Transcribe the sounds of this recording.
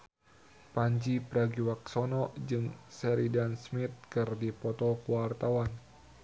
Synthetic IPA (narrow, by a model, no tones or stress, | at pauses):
paɲd͡ʒipɾaɡiwak̚sɔnɔd͡ʒɨŋsɛɾidansmit̪̚kɨrdipɔt̪ɔkuwart̪awan